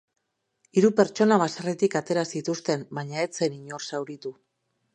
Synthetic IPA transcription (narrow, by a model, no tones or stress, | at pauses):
iɾupe̞ɾt͡ʃo̞naβ̞asaret̪ikat̪e̞ɾasit̪ust̪e̞mbaɲae̞t͡se̞niɲo̞rsawɾit̪u